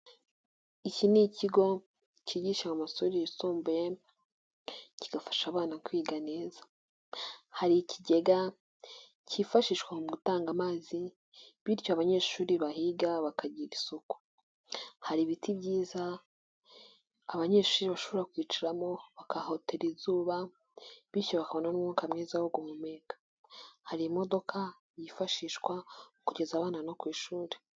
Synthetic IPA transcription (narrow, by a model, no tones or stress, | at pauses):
iciniciɡo̞ | ciɟiʃamamasoɾijisoːmbe | ci̥ɡ̥afḁʃaβaːnakwiːɡane̞ːzḁ | haɾiciɟe̞ɡa | cifaʃiʃkwahomuɡutaːŋɡamaːzi | βiɾcoaβaɲe̞ːʃuːɾiβahiɡaβakaɟiɡisuku̥ | haɾiβitʰibɟiːza | βaɲe̞ːʃuːɾiβaʃoβoɾakwiːt͡ʃiɾamo̞βakaho̞tʰe̞ɾizuːβa | βiɾco̞βakaβo̞nanumŋukamŋiːzawoɡumumeɡḁ | haɾimo̞do̞kʰa | jifaʃiːʃkwaukuɟe̞zaβaːnano̞kwiːʃuːɾe